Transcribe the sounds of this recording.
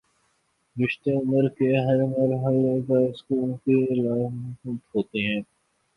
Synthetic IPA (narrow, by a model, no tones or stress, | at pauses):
ɾɪʃt̪eʊməɾkeɦɐɾmɐɾɦəlːekaskuːl̃kilaːmxʊd̪ɦoːt̪iɦɛ̃ː